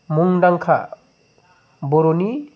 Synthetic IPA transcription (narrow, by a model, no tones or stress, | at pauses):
muŋdaŋkʰa̰ | bɔɾoni